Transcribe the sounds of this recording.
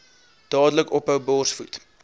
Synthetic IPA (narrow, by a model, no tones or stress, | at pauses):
d̥ɑːdələkɔpəwbɔːrsfut